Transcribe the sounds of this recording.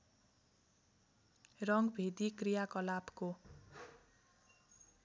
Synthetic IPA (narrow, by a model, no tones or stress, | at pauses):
rʌŋɡbʱed̪ikrijakʌlabko